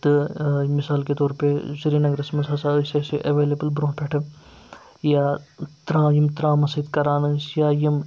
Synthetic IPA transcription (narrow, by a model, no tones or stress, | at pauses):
t̪ɨmɪsaːlket̪oːɾpesiɾiːnɐɡɾɐsmɐsɐsaseseʔɐʋeːleːbəlbɾõːpʰeʈʰɐ | jat̪ɾãːjimt̪ɾãːmɐsiːd̪kɐɾaːnɐsjaːjim